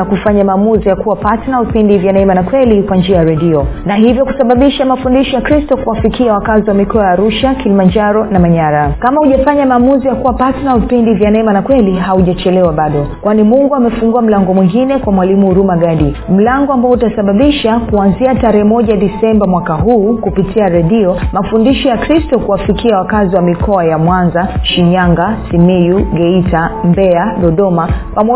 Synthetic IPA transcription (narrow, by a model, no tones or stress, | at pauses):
akufaɲamaːmuzijakuwapatnavipindivjanaɛmanakwɛlikwand͡ʒiajaɾɛɗiɔnaɦivjɔku̥saɓaɓiʃamafundiʃɔjakɾistɔkuwafikiawakaziwamikɔajaːɾuʃakilimand͡ʒaɾɔnamaɲaɾakamahuʄafaɲamaːmuzijakuwapatnavipindivjanaɛmanakwɛliɦauʄat͡ʃɛlɛwaɓaɗɔkwanimuŋɡuamɛfuŋɡuam̩laŋɡɔmwiŋɡinɛkwamwalimuɾumaɡaɗim̩laŋɡɔambaɔutasaɓaɓiʃakuanziataɾɛhɛmɔʄaɗisɛmbamwakaɦuːkupitiaɾɛɗiɔmafundiʃɔjakɾistɔkuwafikiawakaziwamikʰɔajamwanzaʃiɲaŋɡasimijuɡɛitambɛaɗɔɗɔmakwʔamɔ